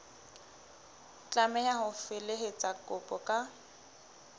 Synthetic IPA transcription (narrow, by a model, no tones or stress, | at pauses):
t͡ɬʼamɛjaɦʊfɪleɦɪt͡sʼakʼʊpʼɔkʼa